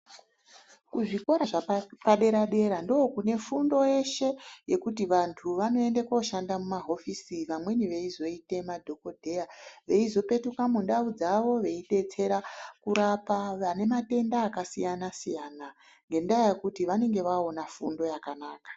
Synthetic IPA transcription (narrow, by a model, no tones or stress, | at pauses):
kuʐiko̞ɾaʐapaɗe̞ɾaɗe̞ɾandookune̞fundo̞je̞ʃe̞je̞kutiʋantʰuʋano̞e̞ndekoʃandamumaɦo̞fisiʋamwe̞niʋe̞izo̞ite̞madʱo̞ko̞dʱe̞jaʋe̞izo̞pe̞tukamunɗaud͡zaʋo̞ʋe̞ite̞t͡se̞ɾakuɾapaʋane̞mate̞ndaːkasijanasijana | ŋɡe̞ndajakutiʋane̞ŋɡe̞ʋao̞nafṵndo̞jakanaːkḁ